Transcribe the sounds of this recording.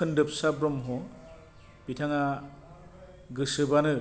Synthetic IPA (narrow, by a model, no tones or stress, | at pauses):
ɯndɯp̚sabɾɔmɦɔ | b̥itʰaŋa | ɡɯsɯbanɯ